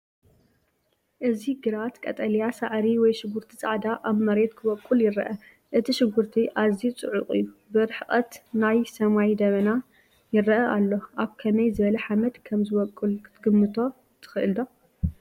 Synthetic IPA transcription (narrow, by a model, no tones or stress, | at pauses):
ʔɨziɡɨɾat̪kʼɐ̰t̪ʼɐljasa̰ʕɾiwɔjʃɪɡuɾt̪ʰit͡sʼa̰ʕd̪aʔaβmɐɾe̞t̪kʰɨβɔkʼːuljɪɾɐ̰ʔɐ | ʔɨt̪ʰiʃɪɡuɾt̪ʰiʔazit͡sʼɨʕʊχʼḭjːubɨɾɨħɨχʼɐt̪najsɐmajd̪ɐβɐna | jɪrɐʔɐʔalːo̞ʔaβkʰɐnɐjzɨβɐlɐħamɐt̪kʰɐmzɨβɔkʼːulkɨt̪ʰɨɡɨmːɨt̪ʰo̞ | t̪ʰɨ̥xɨʔɨld̪o